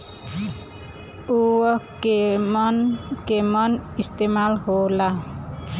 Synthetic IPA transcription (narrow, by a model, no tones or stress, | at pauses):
uwəkmɔnkemɔnist̪emalhola